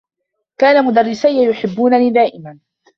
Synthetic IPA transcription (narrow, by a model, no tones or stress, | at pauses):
kaːnamʊd̪arːɪsajːajʊħɪbːuːnaliːd̪aːʔɪman